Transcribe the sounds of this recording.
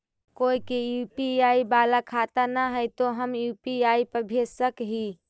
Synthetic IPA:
koikejupiaibalakʰat̪anaɦəjt̪oɦəmjupiaipəbʱesəkɦi

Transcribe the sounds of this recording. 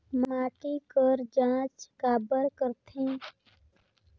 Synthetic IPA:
maːʈikəɾd͡ʒãːt͡ʃkaːbəɾkəɾt̪ʰẽː

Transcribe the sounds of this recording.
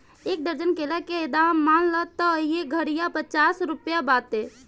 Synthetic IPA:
eːk̚d̪əɾd͡ʒənkeːlakeed̪amːaːnlət̪ːɔjeɡʱəɽijapət͡ʃaːsɾʊpjabaːt̪eː

